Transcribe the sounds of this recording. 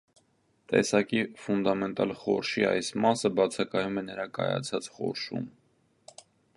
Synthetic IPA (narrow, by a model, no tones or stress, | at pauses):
t̪ɛ̰sɑkifund̪ɑmɛnt̪ɑlχɔ̰ɾʃiɑ̰jsmɑsəbɑt͡sʰɑkɑjumɛnəɾɑkɑ̰jɑ̰t͡sʰɑt͡sχɔ̰ɾʃṵm